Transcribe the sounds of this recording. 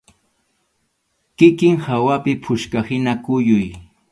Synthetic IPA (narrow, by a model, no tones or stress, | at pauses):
kɪkɪŋhawapɪpʰʊʃkahɪnakʊjʊj